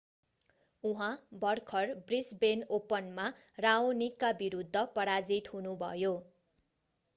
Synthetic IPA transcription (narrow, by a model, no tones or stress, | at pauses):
uɦãbʌrkʰʌrbrisbenopʌnmarawnikːabiɾud̪ʱːʌpʌɽad͡zit̪ɦunubʱʌ̰jo